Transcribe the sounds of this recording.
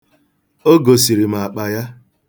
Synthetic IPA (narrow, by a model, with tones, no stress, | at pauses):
o˦ɡo˨si˨ɾi˨m˨a˨k͡pa˨ja˦